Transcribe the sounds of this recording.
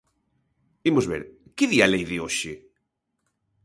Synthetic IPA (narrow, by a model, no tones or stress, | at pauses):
imozβḛɾkɪðialejðɪoʃɪ